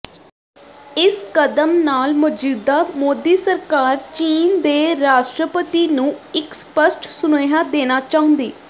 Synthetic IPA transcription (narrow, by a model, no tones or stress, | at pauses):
ɪskəd̪əmnaːlmʊd͡ʒiːd̪aːmoːd̪iːsəɾkaːɾt͡ʃiːnd̪eːɾaːʃʈɾəpət̪iːnũːɪkspəsʈʰsʊneːɦaːd̪eːnaːt͡ʃaːɦə̃nd̪eː